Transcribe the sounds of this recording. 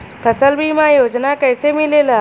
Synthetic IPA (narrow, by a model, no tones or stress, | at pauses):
pʰəsəlbʱimãjoːd͡ʒnakəɪsemɪlela